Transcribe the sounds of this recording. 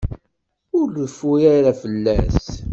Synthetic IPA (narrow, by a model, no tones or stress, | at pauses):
ʊɾləfːujæɾafəlːæ̰s